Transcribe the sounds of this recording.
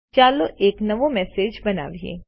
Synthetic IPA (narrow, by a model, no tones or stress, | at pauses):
t͡ʃaːloʔeːknɐʋõmɛːseːd͡ʒbɐna̰ːʋiḛ̃ː